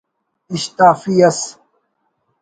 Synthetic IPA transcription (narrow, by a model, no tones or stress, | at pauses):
iɕt̪aːfiːɐs